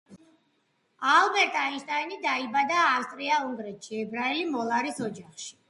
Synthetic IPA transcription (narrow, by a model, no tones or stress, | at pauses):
albɛɾt̪ʼainʃt̪ʼajnid̪aibad̪aːfst̪ʼɾiauŋɡ̪ɾɛt̪ʃiɛbɾaɛlimɔlˠaɾisɔd͡ʒaχʃi̥